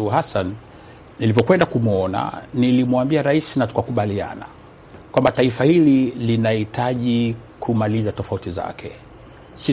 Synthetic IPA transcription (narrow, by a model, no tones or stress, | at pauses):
uhasan | nilivɔkwɛndakumuɔna̰nilimwambiaɾaisinatu̥kakuɓalia̰na̰ | kwambataifahililinahitʰaʄikʰumalizatɔfautiza̰kʰɛ̰ | si